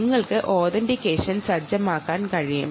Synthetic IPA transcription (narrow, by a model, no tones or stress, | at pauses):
ŋːɐɭkɨʔoːðɐndikːeːʂɐnsɐrd͡ʑɐmaːkːaːnkɐɻijɐ̰m